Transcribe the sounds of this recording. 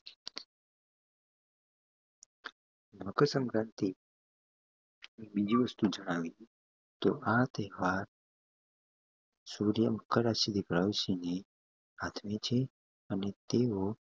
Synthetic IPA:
bʱəkəsəŋkɾãnt̪i | mĩbid͡ʑʱiʋəst̪ud͡ʒəɽ̃aʋi | t̪oʔat̪eɦʋaɾ | suɾjəməkːəɾasid̪ʱikɭaʋisine | at̪ʰmet͡ʃʰe | anet̪eɦo

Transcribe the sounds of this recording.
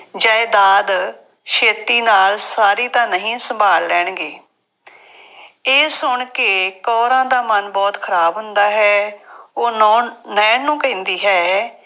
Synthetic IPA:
d͡ʒəːeːd̪aːd̪ | ʃeːt̪iːnaːlsaːɾiːt̪ãːnəɦĩːsəmbʱaːlːɛːɳɡeː | eːsʊɳkekɔːɾãːd̪aːmənbɔːt̪kʰəɾaːbɦʊnd̪aːɦɛːõːnɛːnũːkɛ̃ːnd̪iːɦɛː

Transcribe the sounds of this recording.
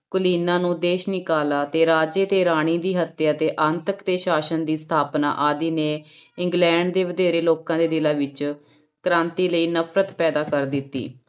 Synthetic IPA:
kʊliːnãːnũːd̪eːʃnɪkaːlaːt̪eːɾaːd͡ʒeːt̪eːɾaːɽ̃ĩːd̪iːɦət̪jaːt̪eːʔənt̪əkt̪eːʃaːʃənd̪iːst̪ʰaːpna̰ːʔaːd̪iːneːɪŋɡlɛ̃ːɳɖd̪eːʋəd̪eːɾeːloːkãːd̪eːd̪ɪlãːʋɪt͡ʃ | kəɾãːnt̪iːləiːnəpʰɾət̪pɛːd̪aːkəɾd̪ɪt̪ːḭː

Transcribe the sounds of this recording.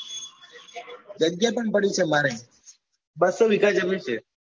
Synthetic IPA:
d͡ʒəɡjapəɳpəɳ̃it͡ʃʰemaɾe | bəsoʋikad͡ʒəmit͡ʃʰe

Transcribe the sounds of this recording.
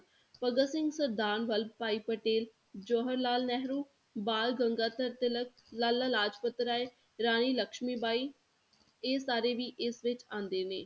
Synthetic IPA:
pəɡəsɪ̃ŋɡsəɾd̪aːnʋəlpaːiːpəʈeːl | d͡ʒoːɦəɾlaːlnɛɦɾuː | baːlɡəŋɡaːt̪əɾt̪ɪlək | lalːaːlaːd͡ʒpət̪ːɾaːeː | ɾaːniːləkʃmiːbaːiː | eːsaːɾeːʋiːʔɪsʋɪt͡ʃãːnd̪eːneː

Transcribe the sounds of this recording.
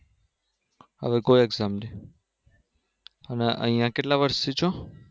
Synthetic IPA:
ɦə̰ʋekoieɡzaːmneː | əneʔə̰ɦĩjãkeʈlaʋəɾst̪it͡ʃʰõ

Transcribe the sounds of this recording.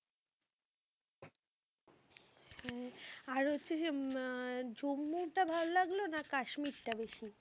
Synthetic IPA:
hɛ̃aɾɦotːɕʰed͡ʑe | d͡ʑomːuʈabʱalolaɡlonakaʃmiɾʈabeʃi

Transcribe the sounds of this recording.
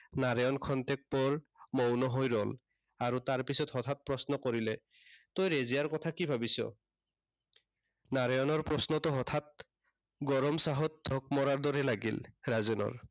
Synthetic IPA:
naɹɔjɔnkʰɔntɛk̚pɔɹmɔwnɔɦojɹɔl | aɹutaɹpisɔtɦɔt̪ʰat̚pɹɔsnɔkoɹilɛ | tojɹezijaɹkɔtʰakibʱabisɔ̰ | naɹɔjɔnɔɹpɹɔsnɔtɔɦɔtʰat̚ | ɡɔɹɔmsaɦɔt̚dʱɔk̚mɔɹaɹdɔɹɛlaɡḭlɹazɔnɔ̰ɹ

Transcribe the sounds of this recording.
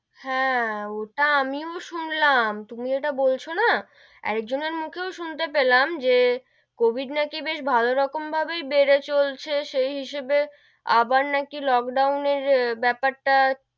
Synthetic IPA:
hɛ̃oʈaamioʃunlamt̪umieʈabolt͡ɕʰona | ɛ̰ɾek̚d͡ʑoneɾmukʰeoʃunt̪epelamd͡ʑe | kobʱiɖnakibeʃbʱaloɾɔkombʱabejbeɾet͡ɕolt͡ɕʰeʃejɦiʃebe | a̰baɾnakilɔkɖawneɾbɛpaɾʈa

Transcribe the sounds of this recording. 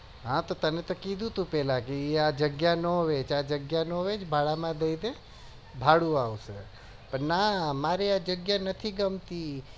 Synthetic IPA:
ɦãt̪ot̪ənet̪okid̪ʱũt̪ũpɛlãkeead͡ʒəɡjanɔʋet͡ʃad͡ʒəɡjanoʋet͡ʃbʱaɭamãd̪əid̪e | bʱaɽũawse | pəɾnamaɾead͡ʒəɡjanət̪ʰiɡəmt̪i

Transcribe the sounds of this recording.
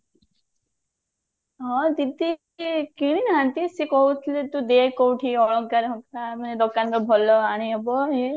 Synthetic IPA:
ɦɔ̃t̪it̪i | kiɽ̃inɦant̪isekɔɦut̪ʰilet̪ud̪ekɔwʈʰiɔɭɔk̚ɡaɾɦɔkt̪amaned̪ɔkanɾɔbʱɔlɔaɽ̃iɔbɔɦe

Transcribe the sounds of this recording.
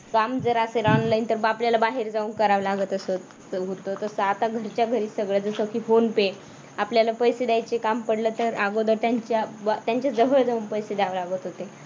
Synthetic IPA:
kamd͡zəɾaseɾɔnlajnt̪əɾapljalabaɦeɾd͡zaʋuŋkəɾaʋlaɡət̪əsə | ɦot̪ət̪əsəat̪aɡʱəɾt͡ɕjaɡʱəɾiːsəɡɭəd͡zəsəkiːfonpe | apljalapəjsed̪jajt͡ɕekampəɽləːt̪əɾaɡod̪əɾt̪jaɲt͡ɕjabt̪jaɲt͡ɕjad͡zəʋəɭd͡zaʋuːnpəjsed̪aʋlaɡət̪ɦot̪e

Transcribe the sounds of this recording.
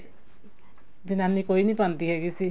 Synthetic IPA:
binanːikoinipant̪iɦeɡisʰi

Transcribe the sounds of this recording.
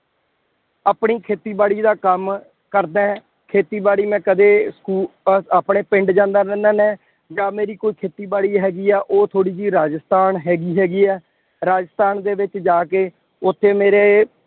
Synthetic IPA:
aːpɳiːkʰeːt̪iːbaːɽiːd̪aːkəm | kəɾd̪ãː | kʰeːt̪iːbaːɽiːmɛ̃ːkəd̪eːskuːaːpɳeːpɪ̃ɳɖd͡ʒãːnd̪aːɾɛ̃ːnd̪aːnɛ̃ː | d͡ʒaːmeːɾiːkoːiːkʰeːt̪iːbaːɽiːɦɛːɡiːɛːʔoːt̪ʰoːɽiːd͡ʒiːɾaːd͡ʒəst̪aːnɦɛːɡiːɦɛːɡiːɛː | ɾaːd͡ʒəst̪aːnd̪eːʋɪt͡ʃd͡ʒaːkeː | ʊt̪ʰːeːmeːɾeː

